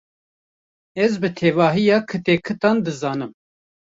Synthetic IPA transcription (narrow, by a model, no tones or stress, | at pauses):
ɛzbɨt̪ʰeːvɑːɦijɑːkʰɨt̪eːkʰɨt̪ɑːnd̪ɨzɑːnɨm